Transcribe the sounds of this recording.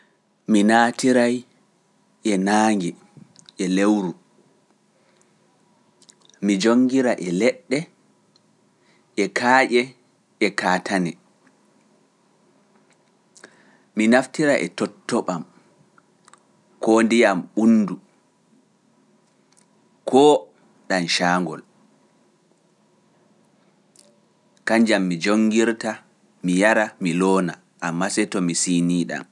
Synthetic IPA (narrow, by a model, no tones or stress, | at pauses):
minaːtiɾaj | ʔɛnaːŋɡɛ | ʔɛlewɾu | mid͡ʒoŋːɡiɾaʔɛlɛɗːɛ | ʔɛkʰaːʔɛ | ɛkaːtʰanɛ | minaftiɾaʔɛ̰tɔtːɔɓam | kɔndijamɓunːdu | kʰɔː | ɗanʃaːŋɡɔ̰l | kaɲd͡ʒamːid͡ʒoŋɡiɾta | mijaɾamilɔːna | ʔamːasɛtɔmisiːniːɗa̰m